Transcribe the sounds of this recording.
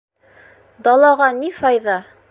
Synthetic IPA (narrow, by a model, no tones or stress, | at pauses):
d̪ɑlˠɑʁɑnifɑjðɑ